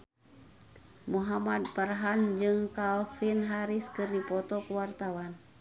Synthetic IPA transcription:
muɦamad̪̚pərɦand͡ʒɨŋkalfinɦaɾiskɨrdipɔt̪ɔkəwart̪awan

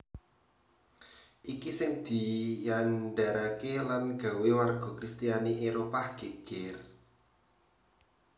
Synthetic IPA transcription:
ʔikisɪŋd̪̥i̤janɖaɾakelanɡ̥a̤wewarɡ̥ɔ̤kɾist̪ijaniʔeɾopaɡ̥e̤ɡ̥ɪr

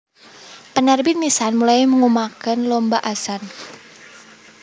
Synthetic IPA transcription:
pənarbinmisanmulajməŋumakənlɔmbaʔasan

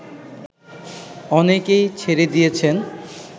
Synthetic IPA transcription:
ɔnekejt͡ɕʰeɾed̪ijet͡ɕʰen

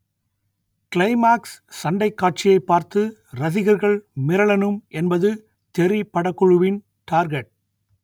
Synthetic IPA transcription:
kɪlɐɪmaːksːɐɳɖɐɪkːaːʈ̚t͡ʃɪjɐɪpːaːɾt̪ɯɾɐðɪɣɐɾɣɐɭmɪɾɐɭɐnɯmʔɛnbɐðɯ | t̪ɛɾipːɐɽɐkːɔɻɯʋɪn | ʈaːɾɡɛʈ̚

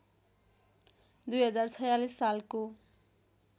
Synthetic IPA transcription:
d̪ujɦʌd͡zart͡sʰʌjalisːalko

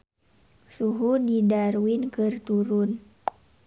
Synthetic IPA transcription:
suɦudidaɾuwɪnkɨrt̪uɾʊn

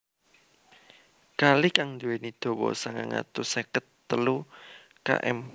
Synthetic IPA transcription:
kalikaŋd̪uwenid̪̥o̤wɔ̰saŋaŋa̰t̪usɛkət̪ːəlu | ka̰ʔɛ̰m

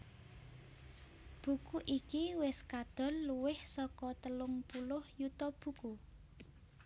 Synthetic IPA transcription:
b̥ṳkuʔikiwɪskad̪̥ɔ̤nluwɪhsɔkɔt̪əlʊŋpulʊhjut̪ɔb̥ṳku

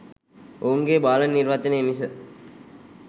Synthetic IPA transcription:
ouŋɡeːbaːlɐnːiɾʋɐt̪ːinəemis̬ə

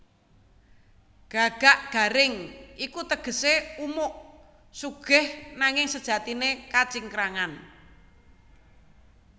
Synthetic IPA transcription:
ɡ̥a̤ɡ̥a̤ʔɡ̥a̤ɾɪŋʔikut̪əɡ̥ə̤seumʊʔ | suɡ̥ɪhnaŋɪŋsəd̥ʒ̥a̤t̪inekat͡ʃiŋkɾaŋan

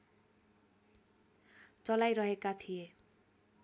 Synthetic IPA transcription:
t͡sʌlajɾʌɦekat̪ʰije

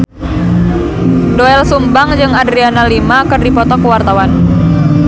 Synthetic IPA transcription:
doɛlsumbaŋd͡ʒɨŋadɾianalimakɨrdipɔt̪ɔkəwart̪awan

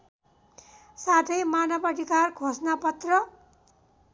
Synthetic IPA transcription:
saʈʰʌjmanʌpʌʈikarkʰosnapʌt̪rʌ

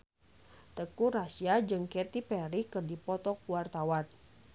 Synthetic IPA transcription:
t̪əkuɾasiad͡ʒɨŋkɛt̪ipɛɾikɨrdipɔt̪ɔkuwart̪awan

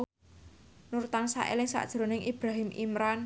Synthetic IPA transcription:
nuɾt̪aŋsa̰ʔḛlɪŋsa̰ʔd̥ʒ̥ɾo̤nɪŋʔib̥ɾaɦimʔḭmɾan

